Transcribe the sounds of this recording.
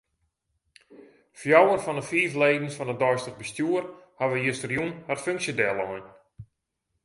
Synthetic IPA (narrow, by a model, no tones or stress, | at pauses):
fjawənfɔndəfiːfleːdnsfɔnədɔjstəɣbəstjuərhaʋəjəstərjunhatføŋksjədɛlˠɔjn